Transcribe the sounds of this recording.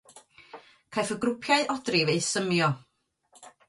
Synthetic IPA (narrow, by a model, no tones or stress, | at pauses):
kʰajfəɡrʊpʰjaɨɔdrɪveɨsəmjɔ